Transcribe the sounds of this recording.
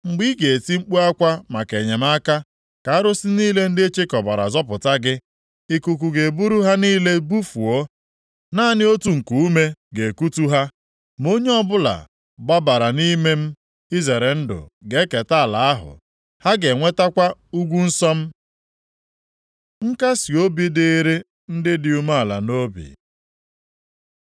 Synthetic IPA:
ŋ͡m̩˨ɡ͡bi˦ɡe˨ti˦ŋ͡m̩˦k͡pu˦a˦kʷa˦ma˨ke˨ɲe˨m̩˦a˦ka˦ | ka˨a˦ɾʊ˦sɪ˦niː˦le˦n̩˦dɪ˦e˦t͡ʃe˦kɔ˨ba˨ɾa̰˨zɔ˦pʊ˨ta˦ɡɪ˦ | i˨ku˨k̬u˨ɡe˨bu˦ɾu˦ɦa˦niː˦le˦bu˦fu˨o˦ | naː˦˨nɪ˦o˦tu˨ŋ̩˨ku˨u˦me˦ɡe˨ku˦tu˦ɦa˦ | mo˦ɲe˦ɔ˦bʊ˦la̰˨ | ɡ͡ba˦ba˨ɾa˨ni˦me˦m̩˦ | i˦ze˨ɾe˨n̩˦dʊ̰˨ɡe˦ke˨ta˦a˨la˨a˦ɦʊ̰˨ | ha˦ɡe˨ŋʷe˦ta˦kʷa˦u˦ɡʷu˦n̩˦sɔ˦m̩˦ | ŋ̩˦ka˦si˨o˦bi˦de˦e˦ɾe˦ | n̩˦dɪ˦dɪ˨u˨ma˦a˨la̰˨no˦bḭ˨

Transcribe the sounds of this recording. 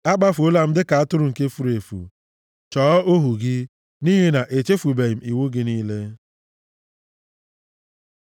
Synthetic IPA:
a˦k͡pa˦fo˦la˨m̩˦dɪ˦ka˨a˦tʊ˦ɾʊ˨ŋ̩˨ke˦fu˦ɾe˨fṵ˨ | t͡ʃɔː˨˦o˦ɦu˨ɡɪ˦ | ni˦ɦe˦na˨ʔe˨t͡ʃe˦fu˨be˨m̩˨i˨wu˦ɡɪ˦niː˦le˦

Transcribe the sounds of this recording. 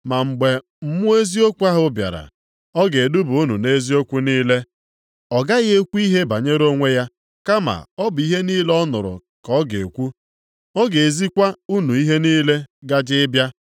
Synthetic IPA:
ma˨ŋ͡m̩˨ɡ͡be˨ | m̩˦mʊ˦e˦zi˦o˦kʷu˦a˦ɦʊ˦bja̰˨ɾa̰˨ | ɔ˦ɡe˨du˦bu˨u˦nu˨ne˦zi˦o˦kʷu˦niː˦le˦ | ɔ˨ɡa˦ɣe˦kʷu˦i˦ɦe˦ba˨ɲe˦ɾo˦ŋʷe˦ja˦ | ka˦ma̰˨ɔ˦bʊ˨i˦ɦe˦niː˦lɔ˦nʊ̰˨ɾʊ̰˨ | kɔ˦ɡe˨kʷu˦ | ɔ˦ɡe˨e˨zi˦kʷa˦u˦nu˨i˦ɦe˦niː˦le˦ɡa˦d͡ʒɪ˦bja˦

